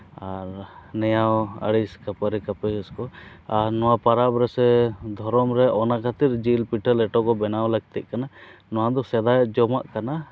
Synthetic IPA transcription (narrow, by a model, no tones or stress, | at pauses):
aɾnɛjawə̰ɽiskapəɾikapəd͡ʒɛskɔaɾnɔwapaɾabɾɛsɛd̪ʱɔɾɔmɾɛʔɔnakʰat̪iɾd͡ʒilpiʈʰəlɛʈɔkɔbɛnawləɡ̚t̪ɛʔ̚kananɔwad̪ɔsɛd̪ajɛd͡ʒɔma̰ʔkana